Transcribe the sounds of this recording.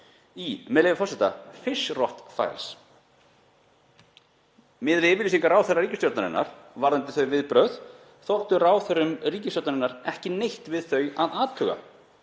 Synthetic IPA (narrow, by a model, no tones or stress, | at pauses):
imɛðlejvɪfɔrsɛt̪a̰fɪsrɔht̪fa̰jls | mɪðvɪvɪlisiŋkaɾaːwθɛraɾiːcɪst̪jɔɾt̪naɾɪ̰nːa̰ɾ̥vaɾðant̪ɪθœɥvɪðpɾœð | θɔwht̪ʏɾaːwθɛɾʏmriːcɪst̪jɔɾt̪naɾɪnːaɾɛhcɪnejht̪vɪðθœɥaðaːt̪ʰːʏɣa̰